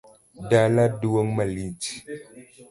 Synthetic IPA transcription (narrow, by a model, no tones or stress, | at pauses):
daladuwəŋmaliti̥